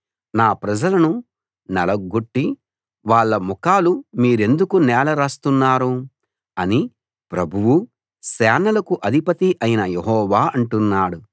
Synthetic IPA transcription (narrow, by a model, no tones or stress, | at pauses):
naːpɾɐd͡ʒɐlɐnu | nɐlɐɡuʈːi | ʋaːɭːɐmukaːlumiːɾe̞nd̪ukunɛːlɐɾaːst̪unːaːɾu | ɐni | pɾɐbʱuwu | sɛːnɐlɐkuʔɐd̪ʱipɐt̪iʔɐjinɐjeɦɔːʋaːɐɳʈunːaːɽu